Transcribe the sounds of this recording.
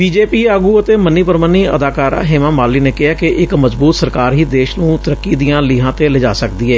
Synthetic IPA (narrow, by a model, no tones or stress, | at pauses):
biːd͡ʒeːpiːaːɡuːət̪eːməniːpəɾməniːə̰d̪aːkaːɾa̰ːɦeːmãːmaːlːiːneːkɪɦaːkeʔɪkməzbuːt̪səɾkaːɾɦiːd̪eːʃnũːt̪əɾəkːiːd̪ijãːlɪːɦãːt̪eːləd͡ʒa̰ːsəkd̪iːɛː